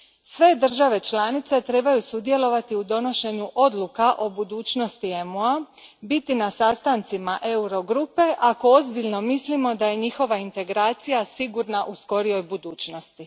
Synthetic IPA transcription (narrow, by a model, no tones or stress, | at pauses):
sʋe̞d̪r̩ʒaʋe̞t͡ʃlˠaːnit̪se̞t̪ɾe̞ːbajusud̪je̞lo̞ʋat̪iud̪o̞no̞ʃe̞ɲuʔo̞d̪lukaʔo̞bud̪uːt͡ʃno̞st̪iemoa | bit̪inasast̪ant̪simaʔe̞uɾo̞ɡɾupe̞ʔako̞o̞zbiʎno̞mislimo̞d̪aje̞ɲixo̞ʋaint̪e̞ɡɾaːt̪sijasiɡuɾnaʔusko̞ɾio̞jbud̪uːt͡ʃno̞st̪i